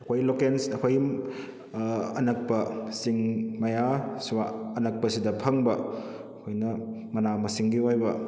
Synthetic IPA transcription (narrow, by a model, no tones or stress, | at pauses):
ɐkʰojlokensɐkʰojm | ɐnɐk̚pɐsiŋmɐjaswaɐnɐk̚pɐsidɐpʰɐŋbɐ | ɐkʰojnɐmɐnamɐsiŋɡiojbɐ